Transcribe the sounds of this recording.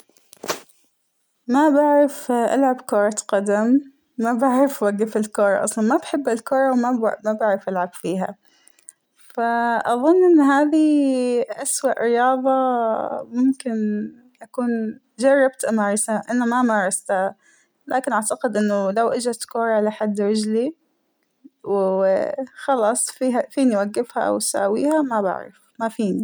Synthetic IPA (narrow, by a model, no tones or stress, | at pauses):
mabaʕɾˤɪfʔa̰lʕabkoːɾˤɑt̪qɑd̪amː | abaʕɾˤɪfwaɡːɪfɪlkoːɾˤɑ̰ʔɑ̰sˤlɑnmabħɪbːɪlkʊːɾˤɑwmamabaʕɾɑfʔalʕab̥fiːɦa̰ | faʔɑðˤʊnːʔɪnːɦaːðiʔaswaʔɾɪjɑːðˤɑmʊmkɪn | ʔakuːn | d͡ʒɑrˤːɑb̚t̪ʔamaːɾˤɑsaʔanamamɑːɾˤɑst̪ha | lʔaːkɪnʔaʕt̪aqɪd̪ʔɪnːʊlawʔɪd͡ʒat̪kʊːɾˤɑʕlaħad̪ːɾɪd͡ʒli | w | xɑlɑːsˤfiːɦafiːniwaɡːɪfha̰ʔa̰wsa̰ːwiːhamaba̰ʕɾɑ̰f | mafiːni